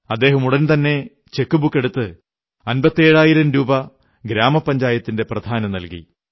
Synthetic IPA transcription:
ɐd̪ːe̞ːɦɐmuɽɐnt̪ɐnːe̞ | t͡ɕe̞kːubukːe̞ɽut̪ːɨ | ɐnbɐt̪ːie̞ːɻaːjiɾɐmɾuːbɐ | ɡɾaːmɐpːɐɲd͡ʑaːjɐt̪ːinde̞prɐd̪ʱaːnɐnɐlkḭ

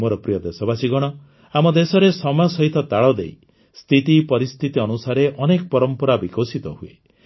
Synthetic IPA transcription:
moɾɔpɾijɔd̪esɔbasiɡɔɽ̃ɔ | amɔd̪esɔɾesɔmasɔɦit̪ɔt̪aɭɔd̪ḛj | st̪ʰit̪ipɔɾist̪ʰit̪iɔnusaɾeʔɔnekɔpɔɾɔmpɔɾabikosit̪ɔɦuḛ

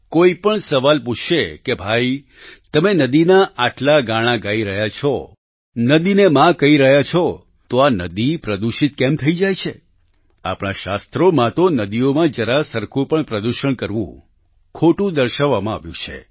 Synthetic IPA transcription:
koipəɳsəʋalput͡ʃʃʰekebʱai | t̪əmenəd̪inaʔaʈlaɡaɽ̃aɡaiɾəɦjat͡ʃʰɔ | nəd̪inemãkəiɾəɦjat͡ʃʰɔ | t̪oanəd̪ipɾəd̪uʃit̪̚kɛmt̪ʰəid͡ʒajt͡ʃʰe | a̰pɽ̃aʃast̪ɾomãt̪onəd̪ijomãd͡ʒəɾasəɾkʰũpəɳpɾəd̪uʃəɳkəɾʋṵ̃ | kʰoʈũd̪əɾʃaʋːamãa̰ʋjṵ̃t͡ʃʰḛ

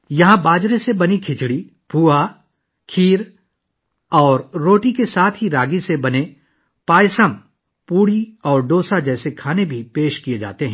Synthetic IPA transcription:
jɐɦãbaːd͡ʒɾesebɐnikʰɪt͡ʃɽi | pʰuːa | kʰiːɾ | ɔːɾːoːʈikesaːt̪ʰɦiɾaːɡisebɐne | paːjsəm | puːɽiɔːɾɖoːsad͡ʒɛːsekʰaːnebʱipeːʃkied͡ʒa̰ːt̪eɦɛ̃ː

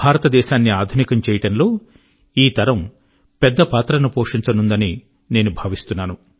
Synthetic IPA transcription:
bʱaːɾɐt̪ɐd̪ɛːʃaːnːiaːd̪ʱunikɐmt͡ʃɛːjɐʈɐnlo̞ː | iːt̪ɐɾɐm | pɛd̪ːɐpaːt̪ɾɐnupoːʂiɲt͡ʃɐnund̪ɐni | ne̞ːnubʱaːʋist̪unːaːnu

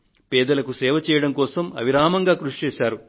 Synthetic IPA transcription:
pɛːd̪ɐlɐkusɛːʋɐt͡ʃɛːjɐɽɐmkɔːsɐmɐ̰ʋiɾaːmɐŋɡaːkɾuʂt͡ʃɛːsaːɾu

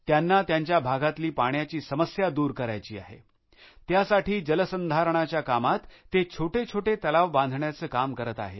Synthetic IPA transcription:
t̪janːat̪jaɲt͡ɕjabʱaɡat̪liːpaɳjat͡ɕiːsəməsjad̪uːɾkəɾajt͡ɕiːa̰ɦḛ | t̪jasaʈʰiːd͡ʑələsənd̪ʱaɾəɳ̃at͡ɕjakamat̪ːet͡ɕʰoʈet͡ɕʰoʈet̪əlaʋbãnd̪ʱɳjat͡səːkamkəɾət̪a̰ɦḛ

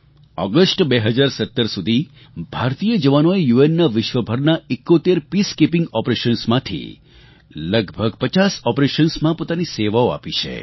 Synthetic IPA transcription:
ɔ̰ɡəsʈbeɦəd͡ʒaɾsət̪ːəɾsud̪ʱi | bʱaɾt̪ijəd͡ʒəʋanoejuenːaʋɪʃʋəbʱəɾnaekːot̪eɾpiskepɪ̃ŋɡɔpɾeʃənsmãt̪ʰḭ | ləɡbʱəɡpət͡ʃasɔpɾeʃənsmãpot̪aniseʋaoa̰pit͡ʃʰḛ

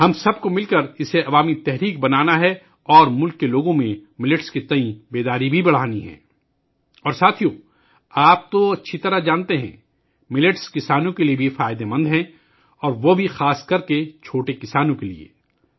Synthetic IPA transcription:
ɦɐmsɐb̚komɪlkɐɾɪseɐʋaːmit̪ɛɦɾiːk̚bɐnaːnaɦɛ | ɔːɾmʊlkːeloːɡõmẽmɪlɪʈskit̪ɐĩbeːd̪aːɾibʱibɐɽ̤aːniɦɛ̰̃ː | ɔːɾsaːt̪ʰijõ | aːp̚t̪oɐtːʃʰit̪ɐɾaɦd͡ʒaːnt̪eɦɛ̰̃ | mɪlɪʈskɪsaːnõkeliebʱiefaːjɪd̪emɐ̃nd̪ɦɛ̃ | ɔːɾʋobʱixaːskɐɾket͡ʃʰoːʈekɪsaːnõkelḭḛː

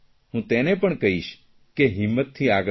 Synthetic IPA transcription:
ɦũt̪enepəɳkəɦiʃ | keɦimːət̪ʰːiaɡ

